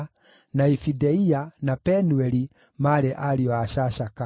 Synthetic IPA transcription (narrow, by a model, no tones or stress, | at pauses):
naifidɛianapɛnuɛli | maɾɛʔaliɔaʃaʃaka